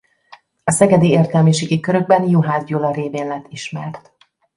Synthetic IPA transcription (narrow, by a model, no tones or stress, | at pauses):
ɒsɛɡɛd̪ieːrt̪ɛlmiʃeːɡikøɾø̞ɡ̚bɛnjoɦaːzɟoːlɒɾeːveːnlɛt̪ːiʃmɛrt̪